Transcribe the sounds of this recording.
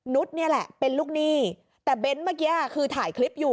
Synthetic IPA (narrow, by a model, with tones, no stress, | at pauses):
nu˦˥t̪̚ni˦˥˩ɐlɛ˨˩ʔpe˧nluː˥˩k̚niː˦˥˩ | t̪ɛː˨˩be˦˥nmaː˦˥˩k̬aː˧˥˩kʰɯː˧t̪ʰaː˩˦jkʰli˦˥p̚juː˨˩